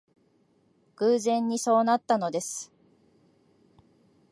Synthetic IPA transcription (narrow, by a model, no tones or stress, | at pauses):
ɡ̥ɯːzẽ̞ɲ̟ːiso̞ːnat̪ːano̞d̪e̞sɨ̥